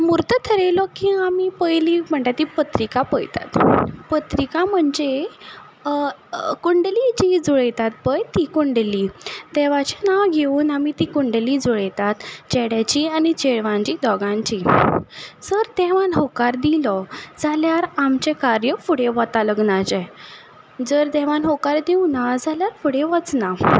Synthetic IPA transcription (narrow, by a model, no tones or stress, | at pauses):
muɾt̪ət̪ʰəɾelɔkiamipəjliːm̤əɳʈ̪at̪ːipət̪ɾikapəjt̪a̰t̪pət̪ɾikam̤əɳd͡ze | kuɳɖlid͡ʑid͡zuɭjt̪at̪̚bəjt̪ikuɳɖlit̪ɛʋat͡ɕenawɡʱeuːnamit̪iːkuɳɖlid͡zuɭejt̪at̪t͡ɕɛɽjat͡ɕianit͡ɕeɭʋãɲt͡ɕid̪ɔɡãɲt͡ɕi | d͡zəɾd̪ɛʋanɦɔkaɾd̪ilɔd͡zaljaɾamt͡ɕekaɾjəfuɽeʋɔt̪aləɡnat͡ɕɛ | d͡zəɾd̪ɛʋanɦɔkaɾd̪iwnad͡zaljaɾfuɽeʋɔt͡sna